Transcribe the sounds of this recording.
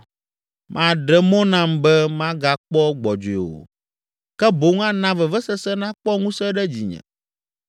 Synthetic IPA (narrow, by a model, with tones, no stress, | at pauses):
mʔã˨ɖɛ˨mɔ̃˦nã˦mbɛ˦mã˦ɡa˨k͡pɔ˦ɡ͡bɔ˨d͡ʒo˨e˨o̰˨ | kɛ˦bo˦ŋ˦ã˦nã˦vɛ˨vɛ˦sɛ˦sɛ˦nã˦k͡pɔ˦ŋũ˦sɛ˦ɖɛ˦d͡ʑi˨ɲɛ̰̃˨